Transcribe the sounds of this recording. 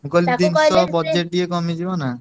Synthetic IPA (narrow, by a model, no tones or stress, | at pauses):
ukolid̪inɔbɔd͡ʒeʈ̚ːiekɔmid͡ʒʰibɔna